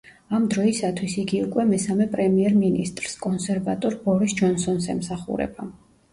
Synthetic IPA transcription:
amd̪ɾɔisat̪ʰwisiɡiukʼwɛmɛsamɛpʼɾɛmiɛɾminḭst̪ʼɾskʼɔnsɛɾvat̪ʼɔɾbɔɾisd͡ʒɔnsɔnsɛ̰msaχṵɾɛ̰ba

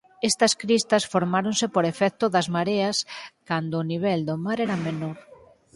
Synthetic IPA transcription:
ɛst̪ɐskɾist̪ɐsfoɾmaɾonsɪpoɾefɛk̚t̪ʊðɐzmaɾeɐskand̪ʊːniβ̞ɛld̪omaɾɛɾɐmenoɾ

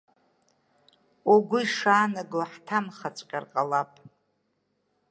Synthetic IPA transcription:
oɡʷʊiʂaːnaɡoħtʰamχat͡sʷʼqʲʼarqʼalapʼ

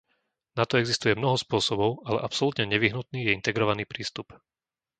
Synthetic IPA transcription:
nat̪ɔɛɡzist̪ujɛmnɔɦɔspʊɔsɔbɔʊalɛ̰ʔapsɔlut̪ɲɛɲɛʋiɦnut̪̚niːjɛint̪ɛɡɾɔʋaniːpɾiːst̪up

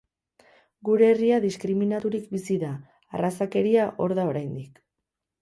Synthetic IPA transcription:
ɡuɾe̞ːriaðiskɾiminat̪uɾikbisiðaː | rasake̞ɾiaʔo̞ɾðao̞ɾajnd̪ik

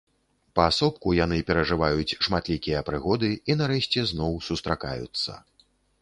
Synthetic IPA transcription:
pɐːsɔp̚kujanɨpʲɛɾɐʐɨvajut͡sʲʂmat̪lʲikʲijɐpɾɨɣɔd̪ɨinaɾɛɕt͡sʲɛznɔwsust̪ɾʔaka̰jṵt̪sːɐ̰

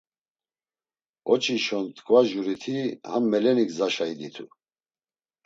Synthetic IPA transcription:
ɔt͡ʃʰiʃɔnt̪ʰʼkʰʼvaʒuɾit̪ʰihamːɛlɛniɡzaʃaid̪it̪ʰu

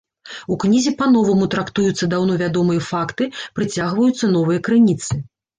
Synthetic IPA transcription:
uknʲizʲipɐnɔvɐmut̪ɾakt̪ujut̪sːɐd̪awnɔvʲad̪ɔmɨjɐfakt̪ɨpɾɨt͡sʲaɣvɐjut̪sːɐn̪ɔvɨjɐkɾɨnʲit̪sɨ

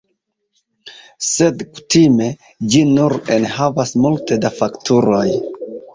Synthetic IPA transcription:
se̞dku̥time̞ | d͡ʒinuɾenhavasmulte̞dafaktʰuɾo̞j

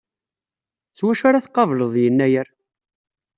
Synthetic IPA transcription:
t͡sːwæʃaɾaθqːɑvləðˤjənːæjəɾ

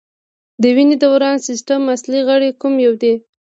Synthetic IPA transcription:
d̪əwined̪awɾɑnsɪsʈamasliɣəɽekumjawd̪e

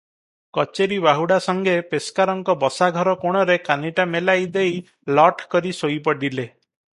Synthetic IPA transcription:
kɔt͡ʃeɾibaɦuɽasɔŋɡepeskaɾɔŋkɔbɔsaɡʱɔɾɔkoɽ̃ɔɾekaniʈamelajd̪ej | lɔʈkɔɾisojpɔɖile

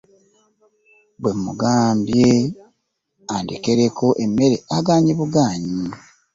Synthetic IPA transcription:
bwemuɡaːmbje | andekeɾekoʔemːe̞ɾeaɡaːɲiβuɡaːɲi

